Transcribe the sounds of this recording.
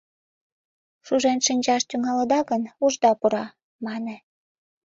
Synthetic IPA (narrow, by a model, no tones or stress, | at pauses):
ʃuʒenʃinʲt͡ɕɑʃt̪yŋɑləd̪ɑɣənuʒd̪ɑpuɾɑ | mɑne